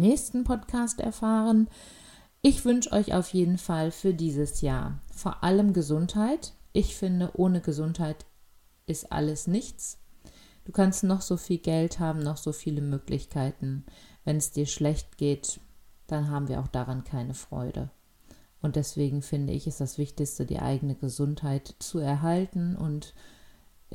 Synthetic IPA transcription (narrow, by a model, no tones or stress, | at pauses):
nɛːçstn̩pʰɔtkʰaːstʔɛ̰ɐfaːʁən | ʔɪçv̥ʏnʃʔɔ̰ʏçʔa̰ʊfjeːdn̩falfyːɐdiːzəsja̰ːɐfoːɐʔaləmɡəzʊnthaɪtʔɪçfɪndəʔoːnəɡəzʊnthaɪt | ʔɪstʔa̰ləsnɪçt͡s | d̥uːkʰanstnɔχz̥oːfiːlɡɛlthaːbm̩nɔχz̥oːfiːləmøːklɪ̰çkʰaɪtn̩vɛnɛsd̥iːɐʃlɛçt̚ɡ̥eːtd̥anɦaːbm̩viːɐʔaʊxd̥aʁankʰaɪnəfʁ̥ɔ̰ʏdə̰ | ʔʊntd̥ɛsv̥eːɡŋ̩fɪndə̰ɪ̰çɪstd̥asv̥ɪçtɪçstədḭːʔa̰ɪɡənəɡəzʊnthaɪtt͡suɛɐɦaltn̩ʔʊ̰nt